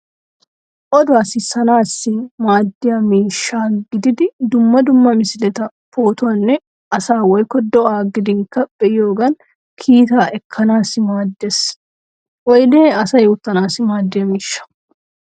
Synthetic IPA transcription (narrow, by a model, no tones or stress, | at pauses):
ʔɔd̪ʊaːsɪsɐnaːsːɪmaːd̪ːɪjɐmiːʃːaːɡɪd̪ɪd̪ɪd̪ʊmːɐd̪ʊmːɐmɪsɪlɛt̪ɐ | poːt̪ʊɐnːɛ | ɐsaːwɔjkːɔd̪ɔʔaːɡɪd̪ɪŋkɐb̥ɛjoːɡɐn | kʰiːt̪aːʔɛkʰːɐnaːsɪmaːd̪ːes | wɔjleːɐsɐjoːt̪ːɐnaːsɪmaːd̪ːɪjɐmiːʃːɐ̥